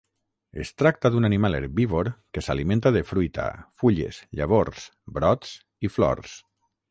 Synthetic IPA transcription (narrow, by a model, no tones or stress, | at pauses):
ḛst̪ɾak̚t̪aðunanimalˠḛɾβiβoɾkesalimẽnt̪aðefɾujt̪a̰fuʎḛzʎa̰βoɾs | bɾɔt̪s | iflɔ̰ɾs